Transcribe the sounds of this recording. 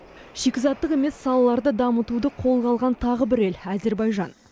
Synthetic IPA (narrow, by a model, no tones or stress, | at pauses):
ʃekʲɪzɑt̪ːəqe̞me̞sːɑlˠɑlˠɑɾd̪əd̪ɑmət̪ud̪əqʰo̞lˠʁɑlˠʁɑnt̪ʰɑʁəbɪɾe̞læze̞ɾbɑjʒɑn